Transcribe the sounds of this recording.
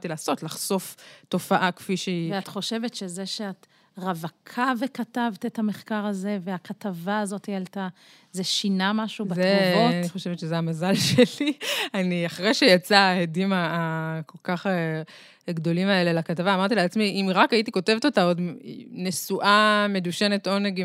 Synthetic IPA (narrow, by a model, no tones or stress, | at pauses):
t̪ilaːso̞tlaχso̞fto̞faʔakfiʃeveat̪χo̞ʃe̞vetʃezeʃeat | ʁavakʰavekatavtethameχkaʁaze̞veakatavaːzo̞tialta | zeʃinamaʃubatzeuvoaniχo̞ʃevet̪ʃezeamazalʃe̞lianiaχʁejʃejat͡saedimaːko̞lkaχe | ɡdo̞limaelelakatavaːmaʁt̪ileat͡smiʔimʁakait̪iko̞te̞vet̪otao̞dnesuʔame̞duʃe̞ne̞t̪o̞neɡ